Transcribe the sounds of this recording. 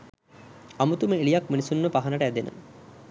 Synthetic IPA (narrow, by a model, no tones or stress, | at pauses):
amut̪uməelijakminisunːəpaɦanəʈəæd̪enə̰